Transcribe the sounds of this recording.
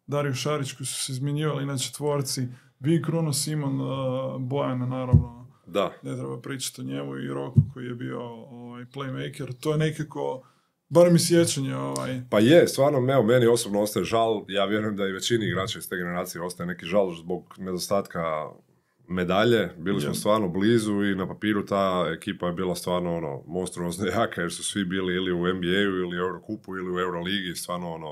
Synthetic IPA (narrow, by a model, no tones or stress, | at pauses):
d̪aɾijuʃaɾit͡ʃkojsu̥seizmʲjeɲiːʋaliinat͡ɕet̪ʋo̞ːɾt̪si | ʋikɾunosimonbo̞jannaːɾaʋno̞ | d̪anet̪ɾebapɾiːt͡ʃḁt̪oɲe̞muḭɾo̞kuko̞jijebio̞oʋajplejmejkeɾt̪ojene̞kako̞ | baɾemisjet͡ʃaɲeoʋajpajest̪ʋaːɾnomeomeniosobnoo̞st̪ajeʒalˠjaːʋje̞ɾujemd̪aiʋe̞t͡ɕiniiɡɾat͡ʃaist̪e̞ːɡe̞ne̞ɾaːt̪sijeo̞st̪ajene̞kiʒalˠzbo̞ɡne̞d̪ost̪aːt̪ka | me̞d̪aːʎe̞biːlismost̪ʋaːɾno̞bliːzuinapapiːɾut̪aekiːpajebiːlˠast̪ʋaːɾnoo̞no̞̰mo̞nst̪ɾuoznojaːkʰajeɾsu̥sʋibiːliiliuembiejuiliue̞wɾokupuiliue̞wɾoliːɡiːst̪ʋaːɾnoo̞no